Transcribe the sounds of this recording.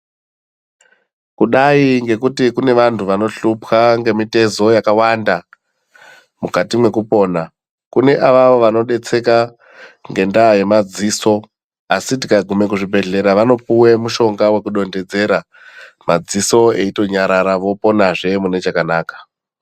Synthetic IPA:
kuɗaiŋɡe̞kutikune̞ʋantʰuʋano̞ɬupxaŋɡe̞mite̞zo̞jakawanda | mukatimwe̞kupo̞ːna | kune̞ʔaʋaʋo̞ʋano̞ɗe̞t͡se̞ka | ŋɡe̞ndaje̞mad͡ziːso̞ | asitikaɡʱume̞k̬uʐibʱe̞ɮe̞ɾaʋano̞puwe̞muʃo̞ŋɡawe̞kuɗo̞nde̞d͡ze̞ɾa | mad͡ziso̞e̞ito̞ɲaɾaɾaʋo̞po̞naʐe̞mune̞t͡ʃakanaːkḁ

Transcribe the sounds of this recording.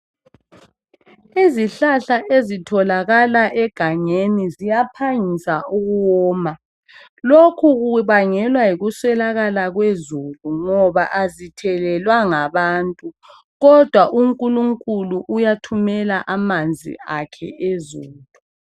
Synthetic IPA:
iziɬaɬaʔezitʰɔlaɣalaʔɛɡ̥ʱaŋenizijapʰaɲisauɣuwɔːma | lokʰuɣuβaŋɛlwaiɣuswɛlaɣalaɣwezuluŋɔβa̰ʔazitʰɛlɛlwaŋaβaːntʼu | ɣɔd̥ʱwaʔuŋkʼuluŋkʼuluʔujatʰumɛlaʔamand͡zʱḭakʰɛ̰ezuːlu

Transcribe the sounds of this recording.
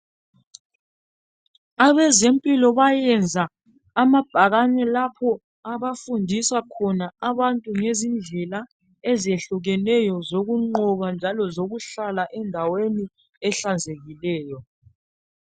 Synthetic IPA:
aβɛzempʼilɔβajɛnd͡zʱaː | mab̥ʱaɣaɲɛlapʰɔ | aβafundʱisakʰɔnaaβantʼuŋezind͡ɮʱɛla | ɛzieɬuɣɛnɛjɔzoɣuŋ͡ǃɔβand͡ʒʱalɔzoɣuɬalaʔɛndʱaweni | ɛɬand͡zʱeɣilɛːjɔ

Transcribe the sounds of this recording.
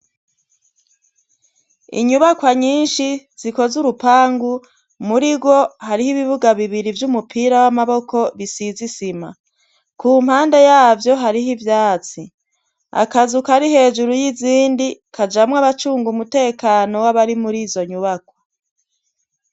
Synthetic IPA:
ḭɲuβakwaɲiːnʃiz̥iko̞zuɾupaːŋɡu | muɾiɡo̞haɾihiβiβuɡaβiβiɾivjumupʰiːɾawamaβo̞ko̞βisizisima̰ | kuːm̥haːnde̞jaːvjo̞ɦaɾiɦivjaːt͡si | a̰kazukaɾiɦe̞ːʒuɾujiziːndikʰad͡ʒamŋaβat͡ʃuːŋɡumute̞ːkano̞waβaɾimuɾiːzo̞ɲuβakwo̥

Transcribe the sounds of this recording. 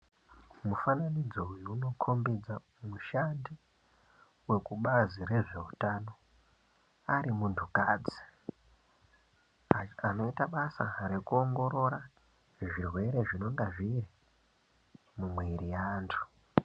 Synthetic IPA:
mufananid͡zouiuno̞kʰo̞mbid͡za | muʃandi | we̞kuɓazire̞ʐe̞utano̞ | aɾimuntʰukaːd͡zi̥ | ano̞itaɓasa̰ɾe̞kuo̞ŋɡo̞ɾo̞ɾa | ʐirwe̞ɾe̞ʐino̞ŋɡaʐiri | mumwe̞ɾijaːntʰu̥

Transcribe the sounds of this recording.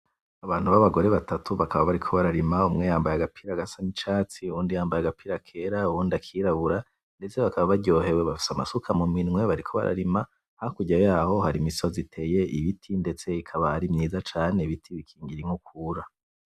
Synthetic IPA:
aβaːn̥huβaβaɡo̞ɾe̞βatatʰuβakʰaβaβaɾikʰo̞βaɾaɾimaumŋejaːmbajaɡapʰiːɾaɡasanit͡ʃaːt͡siuuːndijaːmbajaɡapiːɾakʰe̞ɾauuːndiakʰiːɾaβuɾa | nde̞t͡se̞βakaβaβaɟo̞ːɦe̞weβafi̥sama̰sukʰamuminŋwe̞βaɾikʰo̞βa̰ɾa̰ɾima | hakuɟajaːho̞haɾimiso̞zitʰe̞je̞ʔiβitʰinde̞t͡se̞ikʰaβahaɾimɲiːzat͡ʃaːne̞βitʰiβikʰiːŋɡiɾiŋ̥ukʰuɾa

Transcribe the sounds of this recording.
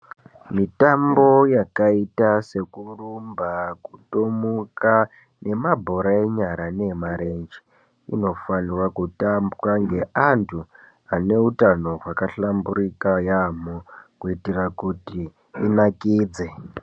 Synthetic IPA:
mitambo̞jakaitase̞kurumbakutomuka | ne̞mabʱo̞ɾaeɲaɾane̞maɾend͡ʒi | ḭno̞fanirwakutambraŋɡe̞ʔantʰu | ane̞utano̞ɦwakaɬambuɾikajamokuitirakuti | inakiːd͡ze̞

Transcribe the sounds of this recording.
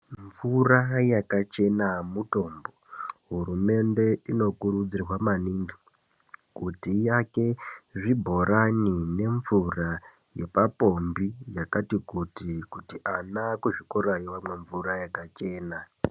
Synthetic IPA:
ɱvurajakat͡ʃe̞namuto̞ːmbo̞ɦuɾume̞nde̞ino̞kuɾud͡zirwamaniŋɡi | kutijake̞ʐibʱo̞ɾanine̞ɱvura | je̞papo̞mbijakatikutikutiʔanakuʐikoɾaiwamwe̞ɱvuɾajakat͡ʃe̞ːna

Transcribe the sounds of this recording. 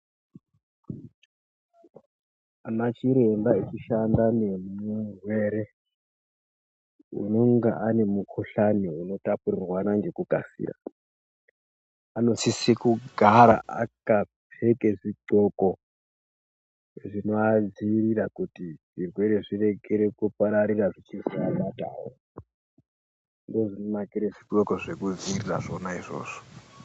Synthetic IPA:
anat͡ʃiɾe̞mbait͡ʃiʃandane̞murweɾe | ṵno̞ŋɡaʔane̞mukʰoɬaniuno̞tapurirwanaŋɡe̞kuka̰sḭːra̰ | ano̞sisikuɡʱaɾaʔa̰kapʰe̞keʐiǃoko | ʐinoad͡ziːrirakutiʐirwe̞ɾeʐire̞ɡʱeɾekupaɾaɾiraʐit͡ʃizialata̰ːwo | ndoʐinomakiɾeʐiǃo̞koʐe̞kud͡ziirira̰ʐo̞naiʐo̰ːʐo̥

